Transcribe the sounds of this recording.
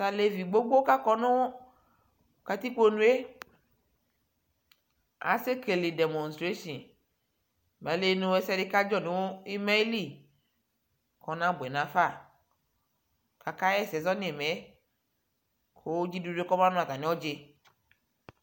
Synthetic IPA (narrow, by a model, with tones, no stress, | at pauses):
sa˨le˨vi˨ɡ͡bo˦ɡ͡bo˦ka˦kɔ˦nõ˦wo˦˨ | ka˨t̪i˦k͡po˦nũ˦e˦ | a̰˨se˦ke˨li˨de˨mɔ̃˨nstɾe˦ʃɔ̃˨n | ma˨˦le˦nũ˨e˦sɛ˦de˨˦ka˦d͡ʒɔ˦˨nũ˨wo˦i˦ma˦li˦˨ | kɔ˨nã˦be˨nã˨fa˦˨ | ka˨ka˦jɛ˦sɛ˨zɔ˦ne˨me˨˦ | kʰo˨˦d͡ʒi˦du˨de˦kɔ˦m˦ã˦nũ˦a˨ɡa˨nĩ˦wɔ˦d͡ʒe˦